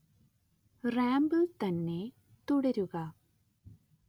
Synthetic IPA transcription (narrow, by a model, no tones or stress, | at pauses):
raːmbɨt̪ɐnːe̞ | t̪uɽɐɾuɣɐ